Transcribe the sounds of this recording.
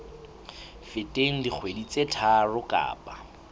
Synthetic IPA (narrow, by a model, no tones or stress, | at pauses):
fɪtʼeŋ̩dik͡xʰwedit͡sʼetʰarʊkʼa̰ːpʼa